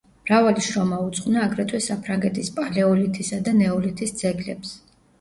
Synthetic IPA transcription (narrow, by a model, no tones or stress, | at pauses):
mɾavaliʃɾɔmaut̪sʼqʼvnaːɡɾɛt̪ʼwisapʰɾaŋɡɛt̪ʰispʼalɛɔlit̪ʰisad̪anɛɔlit̪ʰisd̪z̥ɛɡlɛps